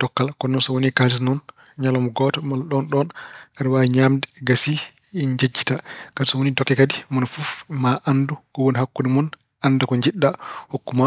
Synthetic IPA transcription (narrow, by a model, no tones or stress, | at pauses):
dɔkːalkɔnɔnsɔwonikad͡ʒis̬nɔn | ɲalɔmɔɡɔtɔmalɗɔnɗɔnaɾiwaɲaːmdɛɡasi | ɲd͡ʒad͡ʒːitakadisɔwonitɔkːɛkadimɔnfufmaʔandukɔwonihakːunimɔn | ʔandakɔɲd͡ʒiɗːahokːuma